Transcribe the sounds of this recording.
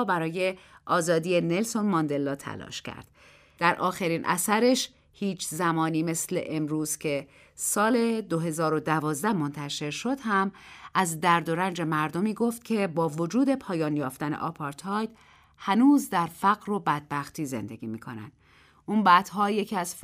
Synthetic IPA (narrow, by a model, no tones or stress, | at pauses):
bæɾɒːje̞ʔɒːzɒːd̪iːene̞lso̞nmɒːnd̪e̞lːɒːt̪ʰæ̰lɒ̰ːʃcʰæ̰ɾd̪̥ | d̪̥æɾʔɒːxeɾiːnʔæ̰sæɾe̞ʃ | hiːt͡ʃʰzæmɒːniːme̞sle̞̰ʔemɾuːz̥cʰe̞ | sɒːle̞d̪oɦe̞zɒːɾo̞d̪ævɒːzd̪æhmo̞nt̪ʰæʃe̞ɾʃo̞d̪̥hæmʔæzd̪æɾd̪o̞ɾænd͡ʒe̞mæɾd̪o̞miːɡo̞ft̪̚cʰe̞bɒːvo̞d͡ʒuːd̪e̞pʰɒːjɒːnjɒːft̪æne̞̰ʔɒpʰɒɾt̪ʰɒːjd̪̥ | hænuːzd̪æɾfæɣɾo̞bæd̪̚bæxt̪ʰiːze̞̰nd̪e̞ɡiːmiːkʰonæ̰nd̪̥ | ʔuːnbæːd̪̥ɦɒːje̞cʰiːæz̥